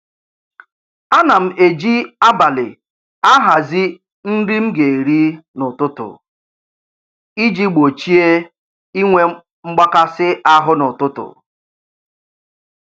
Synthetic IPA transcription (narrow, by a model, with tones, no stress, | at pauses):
a˦na˨m̩˨e˨d͡ʒi˦a˦ba˨lɪ̰˨ | a˦ɦa˨zi˦ | n̩˦di˦m̩˦ɡe˨e˨ɾi˦nʊ˨tʊ˦tʊ̰˨ | i˦d͡ʒi˦ɡ͡bo˨t͡ʃi˦e˦ | i˦ŋʷe˦ | ŋ͡m̩˦ɡ͡ba˦ka˦sɪ˦ʔa˦ɦʊ˦nʊ˨tʊ˦tʊ̰˨